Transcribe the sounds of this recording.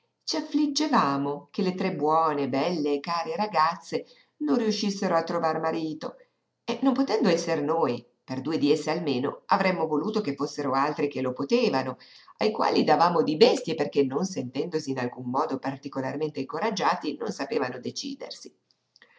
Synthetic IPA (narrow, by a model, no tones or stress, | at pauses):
t͡ʃiafːlid͡ʒːevaːmokelet̪ɾebwɔːnebɛlːeːkaːɾeɾaɡat̪sːe | nonriuʃːisːeɾoat̪ːɾovarmaɾiːt̪o | enːompot̪ɛnd̪oɛsːernoːj | perd̪uːed̪iesːealmeːno̰avɾɛmːovoluːt̪okefːosːeɾoalt̪ɾik̟elopot̪eːvanoajkwa̰ːlid̪avaːmod̪ibɛst̪jeperk̟enːonsent̪ɛnd̪osiːnalkumːɔːd̪opart̪ikolarment̪eiŋkoɾad͡ʒːaːt̪ino̰nsapeːvanod̪et͡ʃḭːd̪ḛrsi